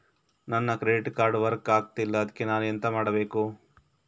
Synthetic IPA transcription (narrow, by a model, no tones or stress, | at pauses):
nɐnːɐkɾeɖiʈkaːɾɖʋɐɾkaːɡ̚t̪ilːɐːd̪ɐkːenaːnujɐnt̪ɐmaːɽɐbe̞ːku